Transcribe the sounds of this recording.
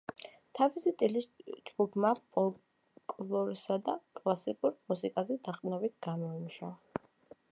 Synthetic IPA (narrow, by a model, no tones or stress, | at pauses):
t̪ʰavisit̪ʼilisd͡ʒɡ̥ubʰmapʼɔl | kʼlˠɔɾisad̪akʼlˠasikʼuɾmusikʼazɛd̪aχʼnɔbit̪ʰɡ̥amɔimuʃa